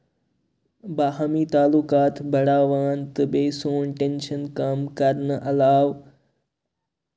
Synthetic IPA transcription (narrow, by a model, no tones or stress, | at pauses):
baːɦamiːt̪aːlukaːt̪bɐɽaːʋaːnt̪ɨbeːsoːnʈẽnʃənkaːmkɐɾnəʔɐlaːʋ